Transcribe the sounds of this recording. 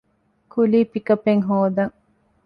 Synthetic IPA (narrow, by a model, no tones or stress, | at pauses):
kuliːpikɐpeŋɦoːd̪ɐŋ